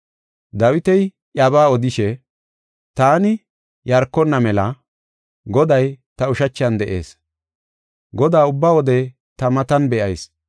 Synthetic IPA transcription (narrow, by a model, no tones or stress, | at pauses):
d̪ɐwɪt̪ɛj | ʔɐβaːɔd̪ɪʃɛ | t̪aːnɪ | jɐɾkːɔnːɐmɛlɐ | ɡɔd̪ɐjt̪ɐʊʃɐt͡ʃːɐnd̪ɛʔḛːs | ɡɔd̪aːʊbːaːwɔd̪ɛ | t̪ɐmɐt̪ɐnbɛʔɐjs